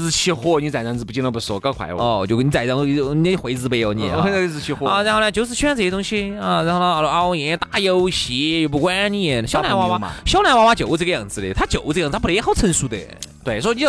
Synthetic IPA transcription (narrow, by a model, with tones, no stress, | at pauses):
t͡ɕʰi˥˧xwɔ˥˧ni˧t͡sa˨˩ɪt͡st͡s̩˧pu˧t͡ɕiɛ˧nlo˧˩pu˧˩sɔ˧˩kɑ˥˧kʰwa̰˧˥ɪwɔ˥˧˩t͡ɕjo˧ʊ˧ni˧t͡sa˨˩ɪt͡sɑ˧ŋ˧ni˧n˧˩˧xwe˧˥ɪt͡sɹ̩˧pe˧˩ɪjo˧ʊni˧jɛ̰˨˩˧t͡s̩ʰ˧i˧xwɔ˧ɔ˧˨a˧˥nxo˥˧nə˧˩t͡ɕjo˧˥ʊʂ̬̩˥˧ɕʰy˥˧˥nt͡sɤ˥˩˥ʊ˥ŋɕi˧ə˥˧ɻa˧˥nxo˥˧nə˧˩˧a˧jɛ˧˩˥ɛ˧t̪a˥˩jo˥ʊɕi˧˥˧jo˧˩pu˧˩kwa˥ni˧jɛ˨˩ɕjɑ˥ʊla˧˥nwa˧˥wa˥˧ɕjɑ˥ʊla˧˥wa˧˥wa˥t͡ɕjo˨ʊ˧ɤ˥˧ɡə˧jɑ˥˩ŋd͡zɹ̩˧lə˧˩t̪ʰa˥t͡ɕjo˨˩ʊ˧˥˧pxo˥˩ʊt͡sʰə˧˥nʂu˧˥d̪ə̰˨˩t̪we˥˩ɪswɔ˧˥˧ni˧˥˧